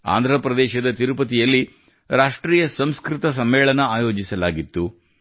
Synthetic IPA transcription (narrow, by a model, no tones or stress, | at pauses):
a̰ːnd̪ʱɾɐpɾɐd̪ɛːʃɐd̪ɐt̪iɾupɐt̪̬ijɐlːi | ɾaːʂʈɾiːjɐsɐmskɾit̪ɐs̬ɐmːɛːɭɐnɐaːjo̞ːd͡ʒisɐlaːɡit̪ːu